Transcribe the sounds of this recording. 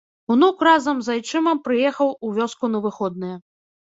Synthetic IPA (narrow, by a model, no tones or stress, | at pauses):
wnukrazɐmzajt͡ʂɨmɐmpɾɨjɛxɐwuvʲɔskunɐvɨxɔd̪nɐjɐ